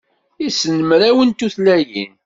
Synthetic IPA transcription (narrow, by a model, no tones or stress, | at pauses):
isːənəmɾæwənt̪uθlæjḭn